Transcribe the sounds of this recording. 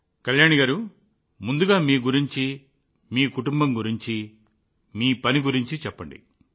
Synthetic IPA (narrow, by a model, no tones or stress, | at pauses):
kɐljaːɳiɡaːɾu | mund̪uɡaːmiːɡuɾiɲt͡ʃi | miːkuʈumbɐmɡuɾiɲt͡ʃi | miːpɐniɡuɾiɲt͡ʃit͡ʃɛpːɐ̰ɳɖḭ